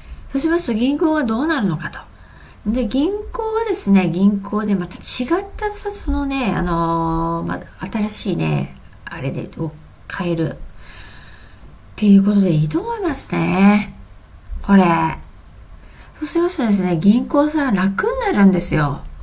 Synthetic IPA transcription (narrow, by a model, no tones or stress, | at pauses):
soːɕimasɨ̥t̪o̞ɡʲĩŋko̞ːβad̪o̞ːnaɾɯ̟no̞kat̪o̥ | d̪e̞ɡʲĩŋko̞ːβad̪e̞sɨne̞ɡʲĩŋkʰo̞ːd̪e̞mat̪ḁt͡ɕiɡat̪ːasasono̞ne̞a̰no̞ma̰at̪aɾaɕiːne̞̰ | aɾe̞̰d̪ḛo | kʰae̞ɾɯ̟ | t̪ːe̞jɯ̟ːk̬o̞t̪o̞d̪e̞iːt̪o̞ːmo̞imasɨ̥ne̞ | ko̞ɾe̞ | so̞ːɕimasɨ̥t̪od̪e̞s̬ɨne̞ɡʲĩŋko̞ːsãnakɯ̟nːaɾɯ̟̃nd̪e̞sɨjo̞